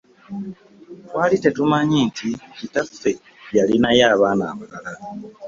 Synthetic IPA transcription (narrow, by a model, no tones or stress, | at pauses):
wʔalite̞tumaɲinticitafe̞ | jalinajaːβaːna̰ːmakala